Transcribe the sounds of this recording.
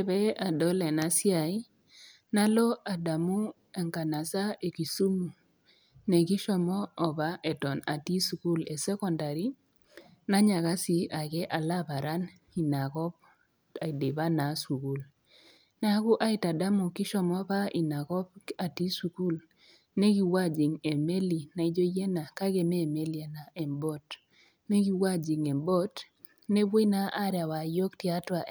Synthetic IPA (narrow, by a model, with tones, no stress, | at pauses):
e˨be˦a˨dɔ˦lɛ˨na˨si˦a˨i˦ | na˦lɔ˦a˨da˨mu˦ | e˨ŋka˨na˨sa˦e˨ki˨su˦mu˨ | ne˨ki˦ʃɔ˨mɔː˦˨ba˦ʔe˨tɔ˨na̰˨ti˦su˨ku˦le˨sɛ˦kɔ˨nda˨ɾi˦ | na˦ɲa˨ɣa˦si˨a˨ɡɛ˦ʔa˨la˦ba˨ɾa˦n | i˨na˨kɔ˦b̚ | a˨de˨ba˦na˨su˨ku˦l | na˦kʊ˦ʔa˦ɪ˨ta˨da˦mo˨kɪ˦ʃɔ˨mɔ˦pa˦i˨na˨kɔ˦b̚a˨ti˦su˨ku˦l | ne˦ɡi˦wa˦d͡ʒi˨ŋe˨me˦li˨na˨i˦d͡ʒo˦je˦na˨ka˦ɡe˦mɛ˦˨me˦li˦a˨na˨ɛ˨mbɔ˦t | ne˦ɡi˦wa˦d͡ʒi˨ŋe˨mbɔ˦t | ne˦bwo˦i˦na˦ʔa˦ɾja˨wa˨jo˦kti˦a˦twa˨